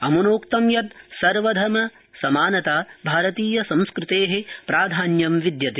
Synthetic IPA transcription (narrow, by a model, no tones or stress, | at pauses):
ɐmunoːkt̪ɐmjɐt̪̚sɐɾʋɐd̪ʱɐmɐ | sɐmaːnɐt̪aːbʱaːɾɐt̪iːjɐsɐ̃mskɾɪt̪eːɦepɾaːd̪ʱaːnjɐmʋid̪jɐt̪i